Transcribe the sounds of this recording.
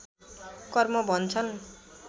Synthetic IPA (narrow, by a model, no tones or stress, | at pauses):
kɔrmobʌnt͡sʰʌn